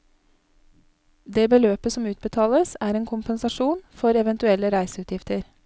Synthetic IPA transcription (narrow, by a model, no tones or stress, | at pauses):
d̪eːbəløːpəsɔmʉːt̪̚bət̪ʰɑːləsæːɾeːŋkʰʊmpənsɑʃuːnfɔɾɛʋɛnt̪ʉɛləɾæɪsəʉːt̪ʰjɪft̪əɾ